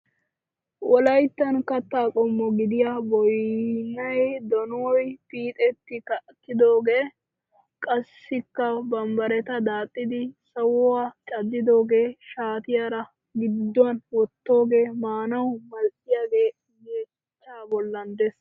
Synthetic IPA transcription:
wɔlɐjt̪ːɐnkɐt̪ːaːkʼɔmːɔɡɪd̪ɪjabɔjnɐjd̪ɔnoːjpiːt̪ʼɛt̪ːɪkɐʔkːɪd̪o̞ːɡeː | kʼɐsːɪkːɐbɐmbɐɾɛt̪ɐd̪aːt̪ʼːɪd̪ɪsɐwwaːt͡ʃʼɐd̪ːɪd̪o̞ːɡe̞ːʃaːt̪ɪjaɾɐ | ɡɪd̪ːʊɐnwɔt̪ːo̞ːɡe̞ːmaːnɐwmɐlʔɪjaːɡe̞ː | jeː | t͡ʃːaːbɔlːɐnd̪ɛs

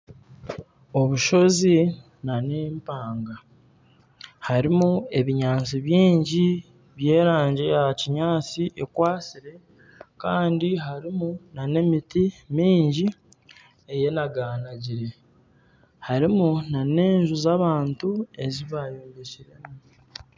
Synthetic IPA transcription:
o̞βuʃo̞zi | nane̞ːmpaːŋɡa | haɾimue̞βiɲaːnt͡siβjiːɲɟi | βje̞ːɾaːɲɟejaciɲaːt͡siʔekwaːsiɾe̞ | kaːndiɦaɾimunane̞mitimiːɲɟi | eje̞naɡaːnaɟiɾe̞ | haɾimunane̞ːɲʒuzaβaːntue̞ziβajoːɲɟeciɾe̞mu

